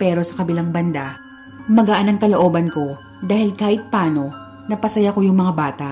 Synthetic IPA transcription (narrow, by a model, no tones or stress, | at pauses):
pɛːɾo̞sɐkɐbɪlaŋbɐnd̪a | mɐɡɐʔanɐŋkɐlo̞ʔoːbɐnko̞ | d̪aːhɪlkaːhɪt̪̚paːno̞ | nɐpɐsɐjako̞jʊŋmɐŋabaːt̪aʔ